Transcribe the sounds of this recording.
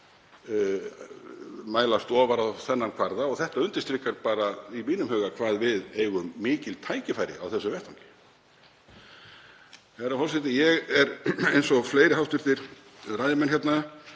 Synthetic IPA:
maːjlast̪ɔːvaɾaθɛnːankʰvaɾðaɔɣθɛht̪aʏnt̪ɪst̪ɾikːaɾpaːɾaimiːnʏmɦhœːɣakʰvaːðvɪðeːjɣʏmːɪːcɪlt̪ʰaːjcɪfajɾɪ̰a̰wθɛsːʏvɛht̪ʰawŋcɪ̥ | ɛɾahɔls̬ɛt̪ɪjɛɣɛɾejnsɔfleːjɾɪɦawft̪ʏɾ̥θɪɾ̥ | rajðɪmɛnçjɛt̪na

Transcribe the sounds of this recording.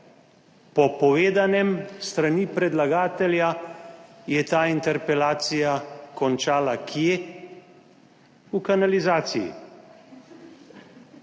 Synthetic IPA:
pɔpɔʋeːd̪anɛmst̪ɾanipɾɛd̪laɡaːt̪ɛlja | jɛt̪aːint̪ɛɾpɛlaːt̪sijakɔnt͡ʃaːlakʰjeː | ukanalizaːt̪sijḭ

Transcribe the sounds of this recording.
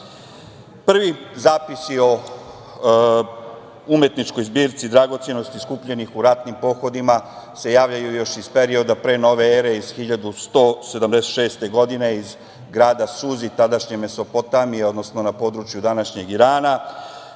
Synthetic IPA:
pr̩ʋizaːpisio̞ | ume̞t̪nit͡ʃko̞jzbiːɾt̪sid̪ɾaɡo̞t̪seno̞st̪iskuːpʎe̞nixuɾat̪nimpo̞xo̞d̪ima | se̞jaːʋʎajujo̞ʃizpe̞ɾio̞d̪apɾe̞ːno̞ʋe̞eɾe̞iz̥xiʎad̪ust̪o̞ːse̞d̪amd̪eset̪ʃeːst̪e̞ɡo̞d̪ine̞iz | ɡɾaːd̪asuzit̪ad̪aʃɲe̞me̞so̞pot̪amijeo̞d̪no̞sno̞napo̞ːd̪ɾut͡ʃjud̪anaʃɲe̞ɡiɾaːna

